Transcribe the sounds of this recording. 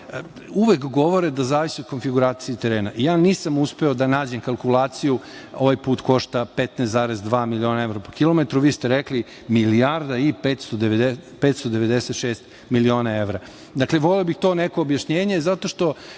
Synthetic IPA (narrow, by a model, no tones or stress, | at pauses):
uʋekɡo̞ʋo̞ɾed̪azaːʋisiod̪ko̞nfiɡuɾaːt̪sijit̪eɾeːnaʔijaːniːsamuspe̞od̪anaːd͡ʑemkalˠkulˠaːt̪sijuoʋajpuːt̪ko̞ʃt̪apet̪nesaːɾezd̪ʋaːmilio̞ːnae̞ʋɾapokilo̞met̪ɾuʋiːst̪eɾekli | miliaɾd̪aipet̪st̪od̪eepet̪st̪od̪eʋed̪eset̪ʃeːst̪ | milio̞ːnae̞ʋɾa | d̪akleʋoliobixt̪o̞ːnekoːbjaʃɲeːɲe̞zat̪o̞ʃt̪o̞